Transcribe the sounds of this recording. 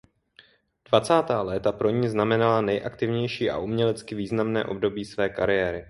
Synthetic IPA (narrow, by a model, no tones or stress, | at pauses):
d̥vat͡saːt̪aːlɛt̪apɾo̞ɲiːznamɛnalanɛjʔakt̪ɪvɲɛjʃiːʔa̰ʔumɲɛlɛt͡skɪviːznamnɛːʔo̞bdo̞biːsvɛːkaɾɪjɛːɾɪ